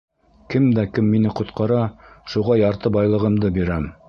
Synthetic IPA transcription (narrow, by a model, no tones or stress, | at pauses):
kɘmd̪ækɘmːinɘqŏt̪qɑɾɑʃuʁɑjɑɾt̪ɤbɑjlˠɤ̆ʁɤ̆md̪ɤbiɾæm